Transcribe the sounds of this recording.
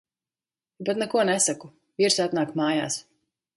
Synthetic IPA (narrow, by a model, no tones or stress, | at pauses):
bɛt̪nɛkuɔnɛsaku | viɾsat̪naːkmaːja̰ːs